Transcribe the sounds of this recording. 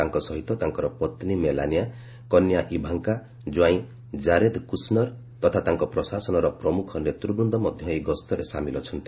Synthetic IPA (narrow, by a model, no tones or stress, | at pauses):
aŋkɔsɔɦit̪ɔt̪aŋkɔɾɔpɔt̪nimelanija | kɔnjaʔibʱaŋka | d͡ʒwaĩ | d͡ʒaɾed̪kusnɔɾ | t̪ɔt̪ʰat̪aŋkɔpɾɔsasɔnɔɾɔpɾɔmukʰɔnet̪ɾubɾund̪ɔmɔd̪ʱjɔeɡɔst̪ɔɾesamilɔt͡ʃʰɔnt̪i̥